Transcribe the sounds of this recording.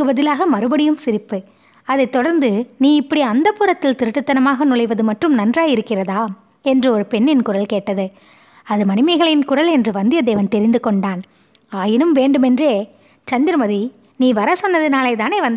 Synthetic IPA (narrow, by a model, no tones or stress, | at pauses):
ɯbɐðɪlaːɣɐmɐɾɯbɐɽɪjɯmsɪɾɪpːɯ | ɐðɐɪt̪ːɔɽɐɾnd̪ɯniːɪpːɐɽiɐnd̪ɐpːʊːɾɐt̪ːɪlt̪ɪɾɯʈːɯt̪ːɐnɐmaːɣɐnʊɭɐɪʋɐðɯmɐʈrɯmnɐndraːjɪɾɯkːɪrɐðaː | ɛndrɯɔɾɯpɛɳːɪnkʊrɐlkeːʈːɐðɯ | ɐðɯmɐnɪmɐɪɣɐɭɪnkʊrɐlɛndrɯʋɐnd̪ɪjɐd̪eːʋɐnt̪ɛɾɪnd̪ɯkɔɳɖaːn | aːjɪnɯmʋeːɳɖɯmɛndreː | t͡ʃɐnd̪ɪɾmɐði | niːʋɐɾɐsɔnːɐðɯnaːlɐɪt̪aːneːʋɐnd̪ɐ